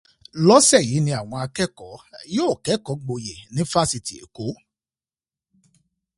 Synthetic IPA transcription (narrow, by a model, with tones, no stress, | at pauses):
lɔ˦sɛ˦˨ji˨˦nĩ˧a˨w̃ɔ̃˧a˧kɛ˦kɔ˨˦joː˦˨kɛ˨˦kɔ˨˦ɡ͡bo˧je˨nĩ˦fa˦si˧ti˨ḛ˨ko˨˦